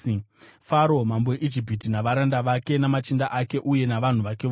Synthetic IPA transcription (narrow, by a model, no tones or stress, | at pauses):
faɾo̞mambojeʔid͡ʒip̬itinaʋaɾandaʋake̞namat͡ʃindaʔake̞ʔuje̞naʋan̤uʋake̞ʋ